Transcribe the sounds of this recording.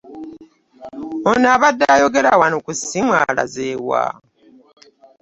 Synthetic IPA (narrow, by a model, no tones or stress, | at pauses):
onaβadːaːjo̞ɡe̞ɾawanokusimwaːla̰zeːwa̰